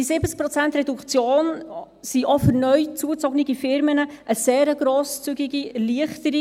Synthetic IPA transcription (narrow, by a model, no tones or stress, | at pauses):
isɪbət͡sk̚pɾɔt͡sænt̪rɛdukt͡sjoːn | siʔɔfʏɾnœʏt͡suət͡sɔɡnɪɡifɪɾmənəʔəseːɾəɡɾoːst͡syɡiɡiliəχtəɾi